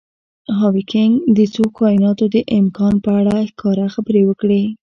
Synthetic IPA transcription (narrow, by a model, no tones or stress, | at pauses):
ɦɑwikɪŋɡd̪ət͡sokɑjɪnɑt̪od̪əʔɪmkɑnpəaɽaxkʰɑɾaxabəɾewəkɽe